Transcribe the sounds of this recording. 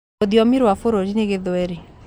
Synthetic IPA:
odiɔmiɾwafoɾod͡ʒineɡeðoeɾi

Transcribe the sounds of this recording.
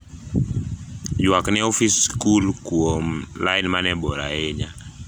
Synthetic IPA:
jwaknɛɔfiskulkuomlainmanɛbɔɾa̰eɲa

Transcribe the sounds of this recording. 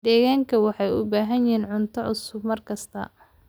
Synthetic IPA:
d̪̥ɛːɣaːŋkʰɐwɑħɑjʊ̰baːɦɐjjɪiːnʕʊnt̪ʰɐʕʊsʊbmɐrkʰɐst̪ʰɐ̰

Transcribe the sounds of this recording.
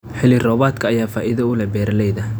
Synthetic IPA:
ħɪlɪrɔːβaːd̪kʰɐːjaːfaːʔɪðɐʊlɛbɛːɾɐlɛjðɐ

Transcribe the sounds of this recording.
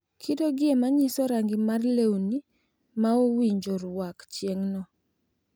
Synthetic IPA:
kʰidoɡɪemaɲisɔɾaŋɡimarlewni | maowiɲd͡ʒoɾwakt͡ʃjeŋnɔ

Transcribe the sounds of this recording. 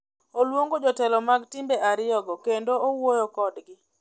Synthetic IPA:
olwoŋɡod͡ʒɔtɛlɔmaɡtɪmbeʔaɾɪɔɡɔkendoowojokɔdɡɪ

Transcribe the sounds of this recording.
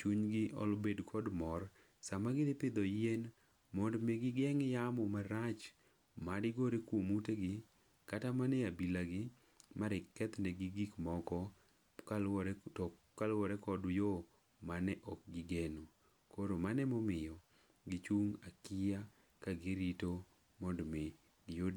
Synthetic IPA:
t͡ʃuɲɡɪʔɔ̰lbedkʰɔdmɔr | samaɡɪdɪpɪd̪ɔjen | mɔndmeɡɪɡɛŋjamɔmaɾat͡ʃ | madɪɡoɾekomuteɡɪ | katamanɛabilaɡɪ | maɾɪkːɛt̪nɛɡɪɡikmɔkɔ | alɾɔ | kalwɔɾɛkɔdjo | manɛʔɔk̚ɡɪɡeno | koɾomanɛmɔmɪjɔ | ɡɪt͡ʃuŋakija | kaɡiɾito | mɔndme | ɡɪjodi

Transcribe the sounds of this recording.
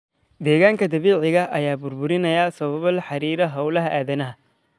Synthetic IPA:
d̪ɛːɣaːŋkʰɐd̪ɐβiːʕɪɣɐʔɐjaːbʊrbʊɾɪnɐjɐsɐβɐβɐlħɑɾiːɾɐɦɐwlɐɦɐʔaːðɐnɐɦɐ

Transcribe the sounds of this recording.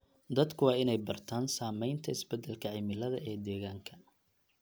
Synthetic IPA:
d̪ɐd̪kʰʊwɑːɪnɛjbɐrt̪ʰaːnsaːmɛjnt̪ʰɐɪsbɛd̪ːɛlkʰɐʕɪmɪlɐðɐʔɛːd̪ɛːɣaːŋkʰɐ

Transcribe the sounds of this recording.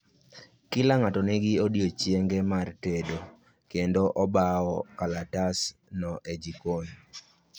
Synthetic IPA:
kɪlaŋatɔnɛɡɪodjot͡ʃjeŋɡɛmartedo | kendoʔɔbaɔkalatasnɔʔed͡ʒikon

